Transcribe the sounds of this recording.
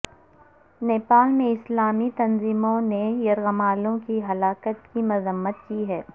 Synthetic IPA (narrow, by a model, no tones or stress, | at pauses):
neːpaːlmẽɪslaːmit̪ɐnziːmõnejɐɾɣəmaːlõkiɦɐlaːkət̪kimʊzəmːət̪̚kiːɦɛː